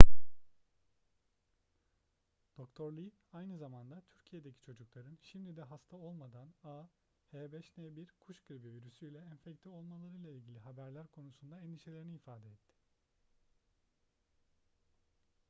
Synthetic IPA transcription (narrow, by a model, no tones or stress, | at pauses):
d̪̥o̞kt̪ʰo̞ɾlʲˠiajnɯzamand̪at̪ʰyɾcʰije̞d̪ecʰi̥t͡ʃʰo̞d͡ʒuklˠaɾɯnʃimd̪id̪ɛɦast̪ʰao̞lˠmad̪ana | hɛːbɛʃnɛbiɾkʰuʃkɯɾbiviɾysyilʲɛɛnfɛct̪ʰio̞lˠmalˠaɾɯjlˠailʲɟilʲiɦabæɾlʲæɾkʰo̞nusund̪aɛnd̪iʃe̞lʲe̞ɾiniːfaːd̪ɛɛt̪ʰːɪ̥